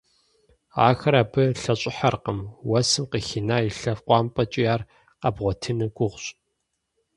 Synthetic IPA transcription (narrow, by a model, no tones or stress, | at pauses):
a̰ːxɐɾaːbɨɬɐɕʼɪħɐrqəmwɐsɨmqəxinaːjɪɬɐfqʷɑːmpʼɐt͡ʃʼɪjaːr | qɐbʁʷɔtʰɨnɨɡʷʊʁɕʼ